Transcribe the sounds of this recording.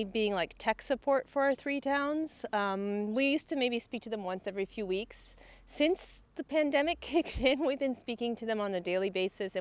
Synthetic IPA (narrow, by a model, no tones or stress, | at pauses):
biɪ̃ŋlaɪk̚tʰɛksɨpʰɔɹtfə˞ə˞θɹitʰãʊ̃nz̥ʌ̃mwijʉstɨmeɪbispik̚tʰɨðɨ̃mwʌ̃nsɛvɹifjʉwiksː | ɪ̃nsðɨpʰæ̃ndɛmɨkʰɪktɪ̃nwivbɨ̃nspikɪ̃ŋtʰɨðɨ̃mə̃nðɨdeɪlˠibeɪsɨsɨ̃